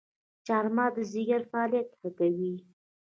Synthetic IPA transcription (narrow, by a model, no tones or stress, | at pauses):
t͡ʃɑɾmɑd̪əziɡaɾfaːlijat̪xakawi